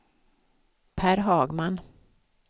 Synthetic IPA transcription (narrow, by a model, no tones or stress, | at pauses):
pʰæːɾɦɑːɡman